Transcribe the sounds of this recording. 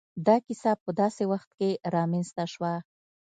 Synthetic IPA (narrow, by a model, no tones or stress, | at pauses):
d̪ɑkisapəd̪ɑsewaxt̪keɾɑmenst̪aʃwa